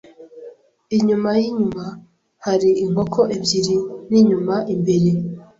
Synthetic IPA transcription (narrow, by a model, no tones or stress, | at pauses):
iɲumajiɲuma | haɾiiŋ̥o̞kʰoʔebɟiɾiniɲumaʔimbe̞ɾe̞